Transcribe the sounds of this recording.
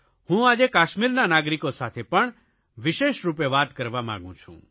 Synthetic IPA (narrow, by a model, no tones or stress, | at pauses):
hũad͡ʒekaːʃmiɾnanaːɡɾikosat̪ʰepəɳ | ʋiʃeːʃɾup̬eʋaːd̪kəɾʋamã̰ɡṵ̃t͡ʃʰṵ̃